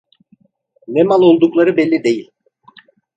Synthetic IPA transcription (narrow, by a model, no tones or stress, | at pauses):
nɛmalˠo̞lˠd̪uklˠaɾɯbɛlʲːid̪e̞jilʲ